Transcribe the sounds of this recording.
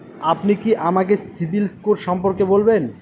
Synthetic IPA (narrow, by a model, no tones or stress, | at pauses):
apnikiʔamakesibilskuɾʃɔmpoɾkebolben